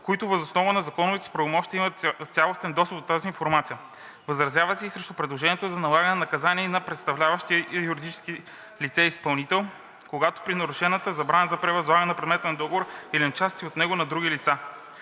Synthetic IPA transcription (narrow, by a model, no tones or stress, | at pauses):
koit̪ʊvɐzosnɔvɐnɐzɐkɔnʊvit̪ɛ̥spɾɐvomɔʃt̪iəimɐt̪t̪sʲalˠost̪ɛnd̪ɔsəpd̪ot̪aziːnfoɾmat̪sijə | vɐzɾɐzʲjavəsɛisɾɛʃt̪opɾɛd̪lˠoʒɛnʲiɛt̪oʊzɐnɐlˠaɡəɐnɛnɐkɐzaniːnɐpɾɛt̪st̪ɐvlʲavɐʃt̪ijuɾid̪it͡ʃɛ̥ski | lit̪sɛispɐlˠnit̪ɛlˠ | koɡat̪o̥pɾinɐɾʊʃɛnət̪əzɐbɾanəzɐpɾɛvɐzlˠaɡənɛɐpɾɛd̪mɛt̪ənɐd̪ɔɡovoɾilint͡ʃast̪iot̪nɛɡʊnɐd̪ɾuɡ̟ʲilit̪sa